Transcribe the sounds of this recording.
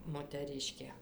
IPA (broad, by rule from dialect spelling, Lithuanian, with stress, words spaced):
moːtʲɛˈrʲɪʃʲkʲeː